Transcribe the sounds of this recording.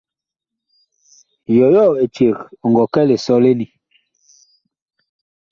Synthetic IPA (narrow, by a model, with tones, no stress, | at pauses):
jɔ˨jɔ˦˨e˨t͡ʃe˨kŋ˨ɡɔ˨kɛ˦le˨sɔ˦le˦ni˨